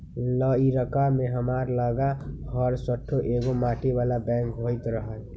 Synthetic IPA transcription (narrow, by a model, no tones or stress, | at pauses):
ləiɾəkamẽɦəmaɾləɡaɦəɾsəʈʰːoʔeɡomaːʈibaːlabɛ̃ŋkɦojt̪ɾəɦəl